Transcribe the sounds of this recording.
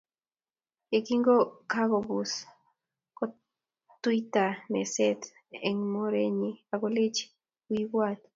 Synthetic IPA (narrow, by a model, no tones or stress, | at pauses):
ekiŋɡokaɡobus | ko | t̪ujt̪ameset̪ | eŋmoɾeɲiaɡolet͡ʃ | wiwwat̪